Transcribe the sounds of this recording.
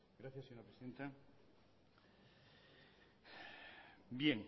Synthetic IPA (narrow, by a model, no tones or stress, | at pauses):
ɡɾaθjaseɲo̞ɾapɾesiðe̞nt̪a | bjeŋ